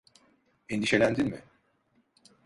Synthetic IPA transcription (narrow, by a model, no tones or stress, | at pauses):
ind̪iʃe̞lʲænd̪ilʲmɪ̰